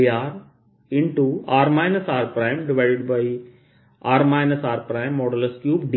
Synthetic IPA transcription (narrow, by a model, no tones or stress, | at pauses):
aːɾ | ɪ̃ɳʈuaːɾmaɪnɐsaːɾpɾaɪ̃mɖɪʋaɪɖɪɖbaɪ | aːɾmaɪnəsaːɾpɾaɪ̃mːɔːɽəlskjuːp̚ɖ